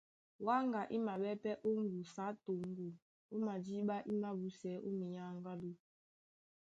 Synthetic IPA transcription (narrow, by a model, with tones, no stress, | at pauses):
wa˦ŋɡa˨ʔi˦ma˨ɓɛ˦pɛ˦ʔo˦ŋ˦ɡu˨sa˨˦to˨ŋ˦ɡu˨ | o˦ma˨d͡ʒi˦ɓa˦ʔi˦ma˦bu˦sɛ˨˦ʔo˦mi˨ɲa˦ŋ˦ɡa˦lu˦